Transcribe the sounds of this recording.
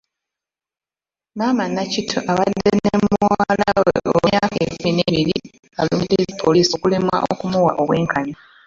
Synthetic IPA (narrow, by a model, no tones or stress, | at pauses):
maːmanːacitʰoʔaβadːenemuwaalaawḛʔo̰aːkekumineβiɾi | aluːmdizipʰoliːsokulemwa̰ʔo̰kumuwa̰ʔo̞βwe̞ːŋkaɲo